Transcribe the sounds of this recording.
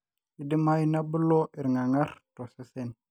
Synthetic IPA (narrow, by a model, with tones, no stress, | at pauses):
i˨di˦ma˦jna˦bə˦lo˦ʔi˨ɾŋa˨ŋa˦ɾto˨se˦se˦n